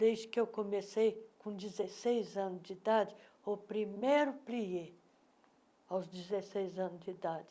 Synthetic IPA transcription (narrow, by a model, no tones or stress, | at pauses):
d̪ejzd͡ʒɪkɪewkõmesejkõd͡ʒizesejzɐ̃nʊzd͡ʒːd̪ad͡ʒɪ | ʊpɾimejɾʊplie | awzd͡ʒizesejzɐ̃nʊzd͡ʒid̪ad͡ʒɪ